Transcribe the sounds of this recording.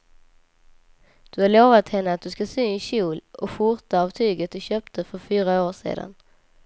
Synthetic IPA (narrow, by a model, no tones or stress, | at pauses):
d̪̥ɵhaɾɭoːvat̪hɛnːəat̪̚d̪ɵskasyŋɪɕuːlɔfʊɾt̪aɑːvt̪ʰyːɡət̪̚d̪ɵɕøːpt̪ʰəfœɾfyːɾaoːʂḛːd̪a̰n